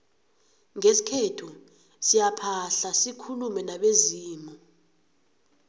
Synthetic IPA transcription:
ŋesi̥kʰɛtʰu | sijapʰaɬasikʰulumɛnaɓeziːmɔ

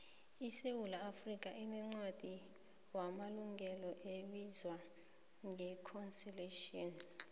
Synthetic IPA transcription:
isewulaːfrikʼaʔinɛŋ͡ǀwad̥ʱi | wamaluŋʱɛlɔʔeɓizwa | ŋʱɛkʰɔnsileʃiɔn

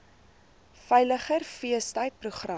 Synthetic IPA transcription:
fɛjləχərfiəstəjt̚pruχrɐ

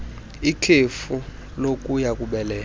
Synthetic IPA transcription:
ikʰefu | lokʼujakʼuɓɛlɛːl

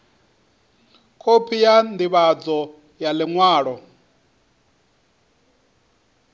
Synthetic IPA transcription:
kʰopʰijandiβad͡zɔ | jaliŋwaːɺɔ

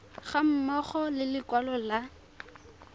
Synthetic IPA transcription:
χam̩mɔχɔlɪlɪkwalɔla

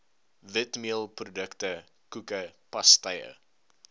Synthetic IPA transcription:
vətmiəlˠprodəktə | kukəpɐstɐjə̰

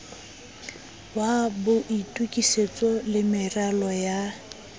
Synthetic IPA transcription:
wabʊʔitʼukʼiset͡sʼɔlɪmɪralɔja

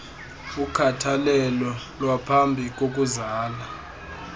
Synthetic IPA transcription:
ukʰatʰalɛlɔ | lwapʰambʱik̬ʼok̬ʼuzaːla

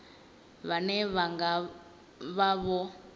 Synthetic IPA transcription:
βanɛβaŋɡa | βaβɔ

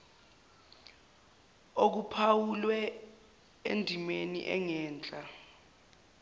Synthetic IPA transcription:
ok̬upʰawulwɛ | endʱimenḭʔɛ̰ŋɛːnd͡ɮʼa

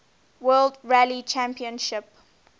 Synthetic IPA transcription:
wɜːldɹælit͡ʃæ̃mpiə̃nʃɪp

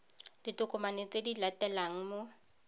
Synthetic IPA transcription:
d̥itʼʊkʼʊmanet͡sʼedilatʼɛlaŋ̩mo

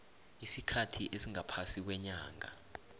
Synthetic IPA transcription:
isikʰatʰiʔesiŋʱapʰasik̬wɛɲaːŋa̰

